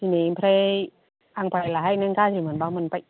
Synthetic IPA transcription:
tʰinipʰɾe | ʔaŋpajlahajnɛnkaːsʰimɯnbaːmɯnpaj

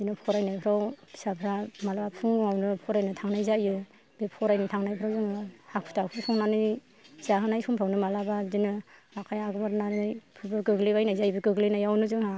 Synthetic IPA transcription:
zinɯpʰɔɾajnajpʰɯɾawsapʰɾamalapʰuŋŋawnɯpʰɔɾajnɯtʰaŋnajzajɯ | b̥epʰɔɾajnɯtʰaŋnajpʰɾawzɯŋhak̚pʰu̥tʰakʰɯɾsʰɔŋnanɯj | zaɦɯnajsumpʰɾawnɯmalabazinɯakʰajaɡɯmaɾnanjpʰɯbɯɡɯɡlibajnajzajbɯɡɯɡlinajawnɯzɯŋha

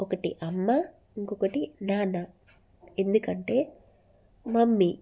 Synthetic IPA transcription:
ɔkɐʈḭʔɐmːa | iŋkɔkɐʈinaːnɐ | e̞nd̪ukɐɳʈe̞ː | mɐmːi

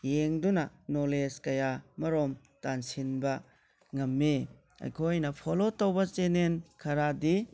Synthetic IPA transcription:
jeŋdunɐ | noleskɐjamɐɾom | tansinbɐ | ŋɐmːi | ɐ̰jkʰojnɐpʰolotɐwbɐt͡ʃenenkʰɐɾadi

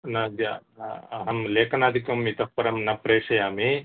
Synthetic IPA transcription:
nɐd̪jaɐɦɐmleːkʰɐnaːd̪ʱikɐmit̪ɐpːɐɾɐmnɐpɾeːʂɐjaːmi

